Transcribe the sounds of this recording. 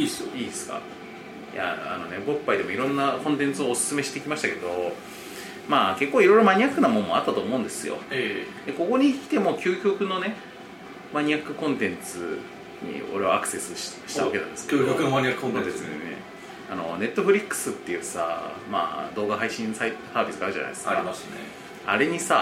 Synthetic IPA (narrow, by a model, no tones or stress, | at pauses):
isiːdesɨ̥ka̰ | ja̰a̰no̞ne̞bo̞pːaid̪e̞mo̞iɾõ̞nːakõnt̪ẽ̞nt͡sɨo̞ːsɨ̥sɨmeɕi̥t̪ekʲimaɕi̥t̪ake̞d̪o̞ | maːke̞kːoːiɾo̞iɾo̞maɲ̟iakːɯ̟namõ̞mːo̞at̪ːat̪o̞ːmo̞ɯ̟̃nd̪esɨjo̞̰ed̪eko̞ko̞ɲ̟ikʲi̥t̪e̞mo̞kʲɨːkʲo̞kɯ̟no̞ne̞ | maɲ̟iakːɯ̟kõ̞nt̪ẽ̞nt͡sɨ | ɲ̟ḭo̞̰ɾe̞βaakɯ̟̥se̞sɨɕɕi̥aβaake̞na̰nd̪e̞skːokaɲiãt̪ẽt͡sḭnḛ | a̰no̞ne̞t̪ːo̞ɸɯ̟ɾʲikːɯ̥sɨt̪ːe̞jɯ̟sa̰ma̰ːd̪o̞ːɡaɦaiɕĩsaitsaːbʲisɨɡaɾ̟ʑa̰na̰j̪esaḭasnḛ | a̰ɾe̞ɲ̟isa